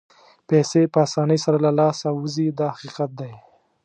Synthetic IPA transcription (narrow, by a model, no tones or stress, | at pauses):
pɛsepəasɑnəjsaɾalalɑsawuzid̪ɑhaqiqat̪̚d̪aj